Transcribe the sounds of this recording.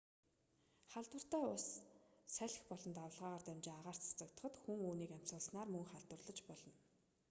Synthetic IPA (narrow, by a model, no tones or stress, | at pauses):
χaɮt̪wə̆r̥t̪æːʊɮssæɮ̆ʲxpɔɮɞ̆nt̪awɮʁaːʁaːrt̪æmt͡ɕɪŋaʁaːr̥t̪t͡sʰḁt͡sə̆k̚t̪ə̆χə̆t̪xuŋuːniːkæm̥sə̆ɮsnaːrmɵŋχaɮt̪wə̆rɮə̆t͡ɕpɔɮɞ̆n